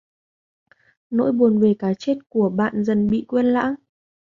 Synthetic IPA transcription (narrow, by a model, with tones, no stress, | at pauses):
no̰˧˥jɓu˨˩ənve˨˩kaː˨˦t͡ɕe˦˥t̚ku˧˩əɓa̰ː˧˨nzə˨˩nɓḭ˧˨kwe˧nla̰ː˧˥ŋ